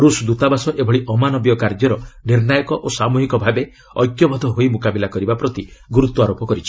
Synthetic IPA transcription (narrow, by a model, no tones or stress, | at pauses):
ɾusd̪ut̪abasɔʔebʱɔɭiʔɔmanɔbjɔkaɾd͡ʒɔɾɔniɾnajɔkɔʔosamuɦikɔbʱabe | ɔjkjɔbɔd̪ʱɔɦoimukabilakɔɾibapɾɔt̪iɡuɾut̪wɔaɾopɔkɔɾit͡ʃʰi̥